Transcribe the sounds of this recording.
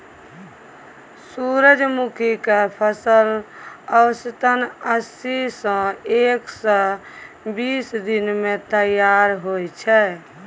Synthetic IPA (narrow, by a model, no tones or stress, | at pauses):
suɾəd͡ʒmukʰikepʰəsələwəsət̪ənəsisə̃eksə̃ | bisd̪inmet̪əjaɾɦojt͡ʃʰɛ